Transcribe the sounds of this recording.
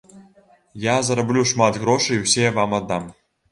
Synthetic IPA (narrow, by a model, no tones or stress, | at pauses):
jɑzɤ̆ɾblʲuʂmɑt̪ɣroʂɨwsʲeʋɑmɑd̪ɑm